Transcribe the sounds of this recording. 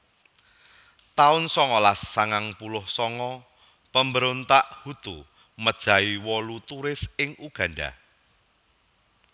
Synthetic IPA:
t̪aʊnsɔŋɔlasːaŋaŋpulʊhsɔŋɔ | pəmbəɾont̪aʔhut̪u | məd̥ʒ̥a̤iwɔlut̪uɾɪsɪŋuɡ̥ä̤nɖa̰

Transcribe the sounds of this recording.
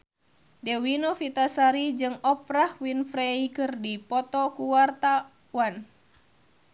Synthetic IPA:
dɛwinofit̪asaɾid͡ʒɨŋɔpɾahwinfɾɛikɨrdipɔt̪ɔkuwart̪a | wan

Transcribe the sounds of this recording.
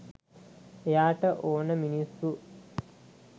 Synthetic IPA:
ejaːʈəʔoːnəminisːu

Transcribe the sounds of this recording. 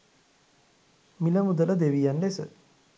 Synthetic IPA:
miləmud̪ələd̪eʋijanlesə

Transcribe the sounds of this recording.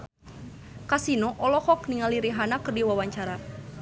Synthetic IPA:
kasinɔʔɔlɔhɔk̚niŋaliɾiɦanakɨrdiwawaɲt͡ʃaɾa

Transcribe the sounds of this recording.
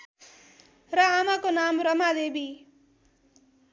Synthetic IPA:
rʌamakonamrʌmad̪ebi

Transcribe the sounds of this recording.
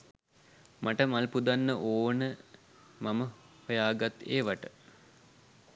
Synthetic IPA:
maʈəmalpud̪anːəʔoːnə | mamə | hojaːɡat̪ḛːʋaʈə

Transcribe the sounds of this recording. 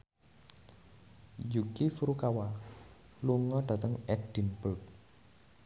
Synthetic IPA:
jukifuɾukawa | luŋɔɖ̥a̤t̪əŋɛd̥i̤npult̚

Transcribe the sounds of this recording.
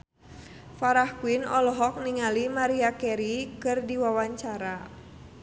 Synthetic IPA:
faɾahkuwinɔlɔɦɔk̚niŋalimaɾiakɛɾikɨrdiwawaɲt͡ʃaɾa

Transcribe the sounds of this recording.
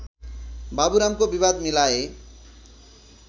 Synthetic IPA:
babuɾamkobibad̪milae

